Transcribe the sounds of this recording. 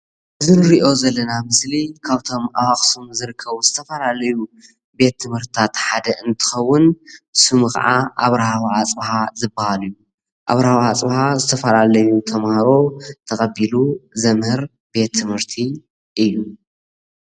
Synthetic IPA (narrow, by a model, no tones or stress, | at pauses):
ʔɨzɨnɨɾiʔo̞zɐlːɐnamɨslikʰaβt̪ʰo̞mʔawaχʼsumzɨɾɨkʰːɐβzɨt̪ʰɐfɐlalɐju | be̞t̪ʰːɨmhɨɾt̪i̥t̪ʰat̪ħad̪ɐʔɨnt̪ʰɨ̥xɐwːʊnsumkɐ̰ʕaʔaβɾahawat͡sʼbhazɨbahalju | ʔa̰βɾɐhaβat͡sʼbhazɨt̪ʰɐfɐlalɐjut̪ʰɐmhaɾo̞t̪ʰɐkʼɐbiluzɐmhɨɾ | b̥e̞t̪ʰːɨmhɨɾt̪ʰi | ʔɨjːu